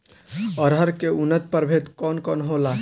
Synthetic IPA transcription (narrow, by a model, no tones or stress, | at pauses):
ɔɾɦəɾkeunət̪̚pəɾbʱet̪kɔnkɔnɦola